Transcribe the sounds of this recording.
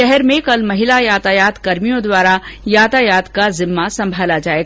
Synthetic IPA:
ɛɦɛɾmẽkɐlmɐɦɪlajaːt̪ajaːt̪kɐɾmijõd̪waːɾajaːt̪ajaːd̪kazɪmːasɐ̃mbʱaːlad͡ʒaːeɡ

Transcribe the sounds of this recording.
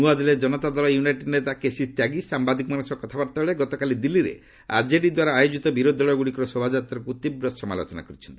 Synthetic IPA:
uad̪iled͡ʒɔnɔt̪ad̪ɔlɔjunajʈeɖnet̪akesit̪jaɡisambad̪ikɔmanusɔkɔt̪ʰabaɾt̪abeɭeɡɔt̪ɔkalid̪ilːiɾḛ | a̰ɾd͡ʒeɖid̪waɾaːjod͡ʒit̪ɔbiɾod̪ʱɔɭɔɡuɽikɔɾɔsobʱad͡ʒat̪ɾɔkut̪ibɾɔsɔma̰lo̰t͡ʃɔna̰kɔɾit͡ʃʰɔ̥nt̪ii̥

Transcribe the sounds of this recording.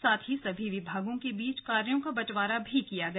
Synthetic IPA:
saːt̪ʰɦisɐbʱiʋɪbʱaːɡõkebiːt͡ʃkaːɾjõkabɐt͡ʃʋaːɾabʱikijaɡɐ

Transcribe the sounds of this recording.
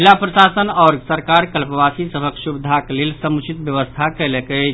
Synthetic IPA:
ilapɾəsasənɔɾsəɾkaɾkəlpəbasisəbʱəksubd̪ʱaklelsəmut͡ʃʰit̪bjəʋəst̪ʰakɛlekə

